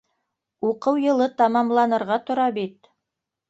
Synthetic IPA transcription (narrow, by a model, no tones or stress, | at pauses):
uqɤwjɤ̆lˠɤt̪ɑmɑmlˠɑnɤ̆ɾʁɑt̪ŏɾɑbit̪̚